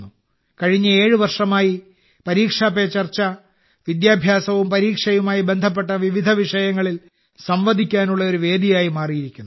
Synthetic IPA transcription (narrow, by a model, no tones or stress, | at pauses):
u | kɐɻiɲːɨe̞ːɻɨʋɐrʂɐmaːji | pɐɾiːkʂaːpɐt͡ɕɐrt͡ɕːɐ | ʋid̪jaːbʱjaːsɐʋumpɐɾiːkʂɐjumaːjibe̞nd̪ʱɐp̬ːeʈːɐʋiʋid̪ʱɐʋiʂɐjɐŋːɐɭil | sɐmʋɐd̪ʱikʲːaːnuɭːɐo̞ɾuʋe̞ːd̪ijaːjimaːrijiɾikʲːunː